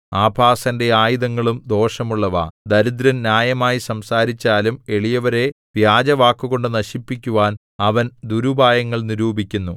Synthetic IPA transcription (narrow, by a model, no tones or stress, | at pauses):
aːbʱaːsɐnde̞aːjiðɐŋːɐɭumd̪o̞ːʂɐmuɭːɐʋa̰ːd̪ɐɾud̪ɾɐnnjaːjɐmaːjisɐmsaːɾit͡ɕːaːlume̞ɭijɐʋɐɾe̞ | ʋjaːd͡ʑɐʋaːkːuɣo̞ɳɖɨnɐɕipːikʲːuʋaːn | ɐʋɐnd̪uɾubʱaːjɐŋːɐɭniɾuːbʱikʲːunːu